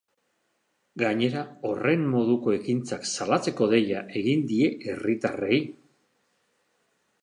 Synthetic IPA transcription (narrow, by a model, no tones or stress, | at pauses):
ɡaɲe̞ɾao̞re̞mːo̞ðuko̞e̞kint͡saksalat͡se̞ko̞ðe̞jaʔe̞ɣind̪ie̞ʔe̞rit̪are̞j